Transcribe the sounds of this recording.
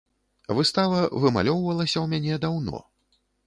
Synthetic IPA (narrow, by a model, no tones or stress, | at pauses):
vɨst̪avɐvɨma̰lʲɔwvɐlˠɐsʲɐwmʲanʲɛd̪awnɔ̰